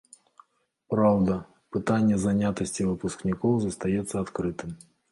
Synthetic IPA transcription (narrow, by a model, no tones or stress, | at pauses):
pɾawd̪ə | pɨt̪anʲɪjəzɐnʲat̪əsʲtʲɪvɨpʊsknʲɪkowzəst̪ɐjɛt̪sːɐɐt̪kɾɨt̪ɨm